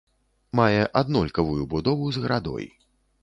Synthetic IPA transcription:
majɛʔad̪nɔlʲkɐvujubud̪ɔvuzɣɐɾʔad̪ɔ̰j

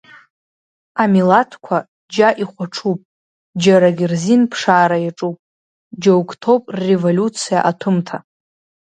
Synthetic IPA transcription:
amilatʰkʷʰa | d͡ʒaʔiχʷaʈ͡ʂʰupʼ | d͡ʒaɾaɡʲirzinpʰʂaːɾajaʈ͡ʂʼupʼ | d͡ʒowkʼtʰopʼrrevolʲut͡sʰija̰ʔatʰʊmtʰa

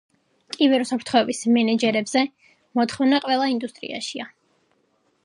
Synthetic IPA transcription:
kʼivɛɾusapʰɾt̪ʰχɔɛbismɛnɛd͡ʒɛɾɛbzɛ | mɔt̪ʰχɔvnaqʼwɛlˠaind̪ust̪ʼɾḭa̰ʃia

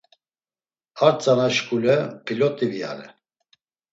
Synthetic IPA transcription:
aɾt͡sʼanaʃkʼulɛpʰilɔt̪ʼivia̰ɾɛ

